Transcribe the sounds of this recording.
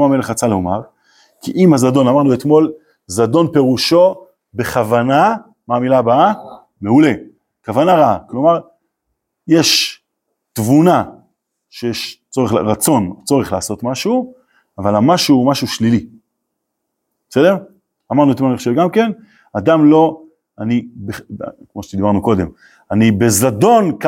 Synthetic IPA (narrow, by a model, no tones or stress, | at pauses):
ame̞leχat͡saloma̰ʁ | kiʔimazad̪o̞namaʁnuet̪mo̞l | zad̪o̞npe̞ʁuʃo̞ | be̞χavana | maːmilabaa | me̞ule | kavanaʁaaklo̞maʁ | jeʃ | t̪vuna | ʃejeʃt͡so̞ʁeʁat͡so̞nt͡so̞ʁeχlaːso̞t̪maʃu | avalamaʃumaʃuʃlili | b̥esed̪eʁ | amaʁnuet̪imaniχoʃevɡamke̞n | ad̪amlo̞ | anibekmo̞ʃed̪ibaʁnuko̞d̪e̞m | anibe̞zado̞nk